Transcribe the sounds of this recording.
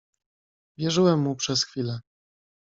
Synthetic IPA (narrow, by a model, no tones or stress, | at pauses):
vʲjɛʐɘwɛmːupʂɛsxfʲilɛ